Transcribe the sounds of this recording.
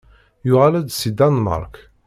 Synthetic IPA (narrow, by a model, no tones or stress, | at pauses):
jʊʁalæd̪sid̪anmɑ̰ɾˤk